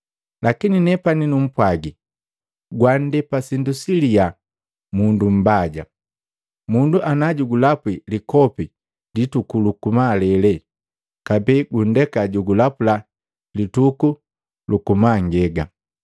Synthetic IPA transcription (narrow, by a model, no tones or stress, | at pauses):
lakininɛpaninum̩pwaɡi | ɡwandɛpasindusilia | mundum̩baɟa | munduʔanaɟuɡulapwilikɔpi | litukulukumalɛlɛ | kabɛɡun̩dɛkaɟuɡulapula | lituku | lukumaŋɡɛɡa̰